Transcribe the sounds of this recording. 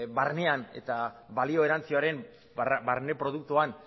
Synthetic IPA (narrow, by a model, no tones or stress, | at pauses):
βaɾne̞ane̞̰t̪abalio̞e̞ɾant͡sioaɾe̞m | baɾne̞pɾo̞ð̞uk̚t̪uan